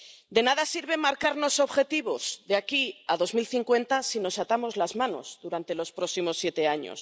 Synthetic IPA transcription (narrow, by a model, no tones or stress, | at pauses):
d̪e̞naðasiɾβe̞maɾkaɾno̞so̞βxe̞t̪iβ̞o̞z̥ðeakiaðo̞zmilθiŋkwe̞nt̪asino̞sat̪amo̞zlazmãno̞̰zðuɾant̪e̞lo̞spɾo̞simo̞sje̞t̪e̞aɲo̰s